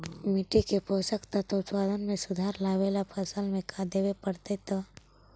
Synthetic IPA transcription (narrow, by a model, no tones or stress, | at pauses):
mɪʈikepoːsəkt̪ɐt̪oʊt̪paːd̪ʱənmẽsʊd̪ʱaːɾlaːʋeːlapʰəsəlmẽkʰad̪eːwepəɽt̪et̪ɐ